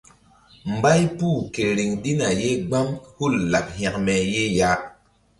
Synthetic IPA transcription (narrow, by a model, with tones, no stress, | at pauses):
m˨ba˦jpuː˦˨ke˨ɾi˨ŋdi˦na˨je˦ɡ͡ba˦mhu˦˨lːa˨p̚hɛ˨kme˨je˦ja˦